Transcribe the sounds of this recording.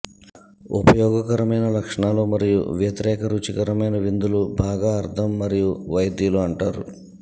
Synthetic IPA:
ṵpɐjɔːɡɐkɐɾɐmɐjnɐlɐkʂɐɳaːloːmɐɾijṵʋjɐt̪iɾɛːkɐɾuːt͡ʃikɐɾɐmɐjnɐʋind̪ulubʱaːɡaːɐɾt̪ʰɐmːɐɾijuʋɐjɐd̪juluɐɳʈaːɾṵ

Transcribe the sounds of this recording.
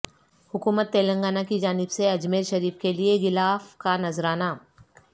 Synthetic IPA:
hʊkuːmət̪ːeːlə̃ŋɡaːnakid͡ʒaːnɪbseɐd͡ʒmeːɾʃɐɾiːfkelieɣɪlaːfkanɐzɾaːnaː

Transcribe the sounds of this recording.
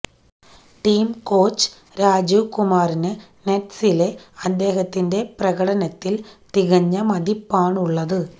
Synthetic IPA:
ʈiːmkoːt͡ʃ | ɾaːd͡ʒukʊmaːɾɪnɐ | nɛʈsɪleːɐnd̪eːɣɐt̪ːɪndeːpɪɾɐɣɐɽɐnɐt̪ːɪlt̪ɪɣɐɲːɐmɐðɪpːaːɳʊɭːɐðɯ

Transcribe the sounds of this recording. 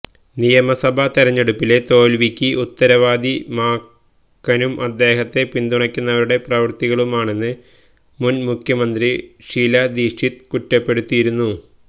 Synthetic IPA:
nijɐmɐsɐbʱɐt̪iɾɐɲːe̞ɽupːile̞t̪o̞ːlʋikʲːɨʔut̪ːɐɾɐʋaːd̪imaː | kːɐnumʔɐd̪ːe̞ːɦɐt̪ːe̞pind̪uɳɐkʲːunːɐʋɐɾuɽe̞prɐʋɐrt̪iɣɐɭumaːɳe̞nːɨ | munmukʰjɐmɐnd̪riʂiːlɐd̪iʂʰit̪kuʈːɐpːe̞ɽut̪ːijiɾunːu

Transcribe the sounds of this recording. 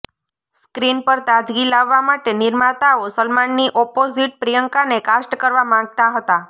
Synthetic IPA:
skɾinpəɾt̪ad͡ʒɡilaʋːamaʈenɪɾmat̪aosəlmanːiʔɔpoziʈ̚pɾijəŋkanekasʈəkəɾʋamãɡ̚t̪aɦət̪a

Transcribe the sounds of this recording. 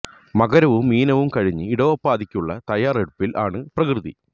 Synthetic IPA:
mɐɡɐɾɐʋumːiːnɐʋumkɐɻiɲːɨiɽɐʋɐpːaːðikʲːuɭːɐ̰t̪ɐjaːreɽupːilʔaːɳɨprɐkrɨðḭ

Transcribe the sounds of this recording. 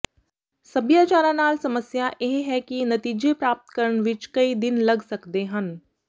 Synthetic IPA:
sɐbjaːt͡ʃaːɾãnaːlsɐməsjajeɦɦɛkinɐt̪iːd͡ʒepɾaːp̚t̪kɐɾəɳ̃ʋɪt͡ʃkɐid̪ɪnlɐɡsɐkd̪eɦɐn

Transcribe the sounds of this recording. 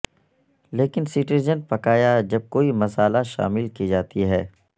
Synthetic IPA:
leːkɪnsɪʈizənpɐkaːjad͡ʒɐb̚koːimɐsaːlaʃa̰ːmɪlkid͡ʒaːt̪iɦɛː

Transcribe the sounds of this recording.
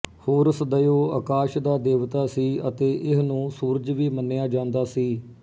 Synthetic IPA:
hoːɾsd̪əjoːə̰kaːʃd̪aːd̪eːʋt̪aːsiːət̪eːʔɪsnũːsuːɾd͡ʒʋiːmənːejaːd͡ʒãːnd̪aːsiː

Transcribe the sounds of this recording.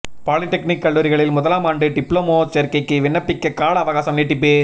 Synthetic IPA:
paːlɪʈːɛknɪkːɐɭːuːɾɪɣɐɭɪlmʊðɐlaːmaːɳɖɯɖɪpɭoːmoːt͡ʃɛɾkːɐɪkːɯʋɪɳːɐpːɪkːɐkːaːɭɐɐʋɐɣaːsɐmniːʈːip̬ːeː

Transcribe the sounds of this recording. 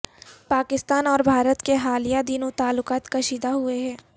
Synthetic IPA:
paːkɪst̪aːnɔːɾbʱaːɾət̪keɦaːlijad̪inõt̪aːlːʊkaːt̪kɐʃiːd̪aɦʊeɦɛ̃ː

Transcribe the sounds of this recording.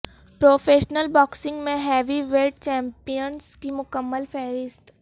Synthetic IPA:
pɾoːfʰeːʃnəlbɔːksɪ̃ŋɡmẽɦɛːʋiʋelʈ̚t͡ʃɛ̃ːmpijənskimʊkəmːəlfʰɛːɾɪst̪

